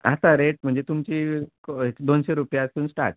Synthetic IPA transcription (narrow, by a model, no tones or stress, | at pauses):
a̰saɾeʈ̚m̤əɳd͡zet̪umt͡ɕikɦed̪onɕeɾupjasuːnsʈa̰ɾʈ̚